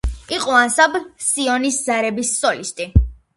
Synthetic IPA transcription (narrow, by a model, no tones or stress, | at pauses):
iqʼɔansabsiɔnisd̪zaɾɛbisːɔlist̪ʼi